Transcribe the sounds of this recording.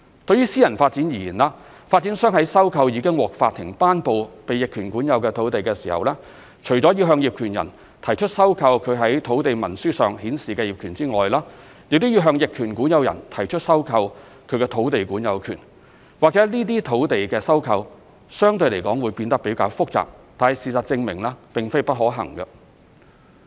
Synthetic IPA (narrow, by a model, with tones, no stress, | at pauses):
t̪ɵ˧ɥjyː˥siː˥jɐ˨˩nfaː˧t̚t͡siː˨˥njiː˨˩jiː˨˩nlaː˧ | faː˧t̚t͡siː˨˥nsœː˥ŋhɐ˨˥jsɐ˥wkʰɐ˧wjiː˧kɪ˥ŋwɔː˨˩k̚faː˧t̪ʰːɪ˨˩ŋpaː˥npo˨wpe˨jɪ˨kʰːyː˨˩nkuː˨˥njɐ˨˧wkɛː˧t̪ʰo˨˥wt̪e˨jkɛː˧siː˨˩hɐ̰˨wlɛː˥ | t͡ʃʰɵ˨˩t͡sɔː˨˥ji˧wɦœː˧ŋjiː˨p̚kʰyː˨˩njɐ̰˨˩n | t̪ʰɐ˨˩jt͡ʃʰɵ˥t̚sɐ˥wkʰɐ˧wkʰɵ˨˧ɥɦɐ˨˥jt̪ʰo˨˥wt̪e˨jmɐ˨˩nsyː˥sœ̰ː˨ŋhiː˨˥nsiː˨kɛː˧jiː˨p̚kʰyː˨˩nt͡siː˥ŋɔ̰ː˨jlaː˥ | jɪ˨k̚t̪o˥wjiː˧wɦœː˧ŋjɪ˨kʰyː˨˩nkuː˨˥njɐ˨˧wjɐ̰˨˩nt̪ʰɐ˨˩jt͡ʃʰɵ˥t̚sɐ˥wkʰɐ˧w | kʰɵ˨˧ɥkɛː˧t̪ʰo˨˥wt̪e˨jkuː˨˥njɐ˨˧wkʰy̰ː˨˩n | waː˨˩k̚t͡sɛ˨˥liː˥t̪iː˥t̪ʰo˨˥wt̪e˨jkɛː˧sɐ˥wkʰɐ˧w | sœː˥ŋt̪ɵ˧le˨˩kɔː˨˥ŋwuː˨˧˥jpiː˧nt̪ɐ˥k̚pe˨˥jkaː˧wfʊ˥k̚t͡sa̰ː˨p̚t̪aː˨nhɐ˨jsiː˨sɐ˨t̚t͡sɪ˧ŋmɪ˨˩ŋlaː˧pɪ˨ŋfe˥jpɐ˥t̚hɔː˨˥ɦɐ̰˨˩ŋkɐ˧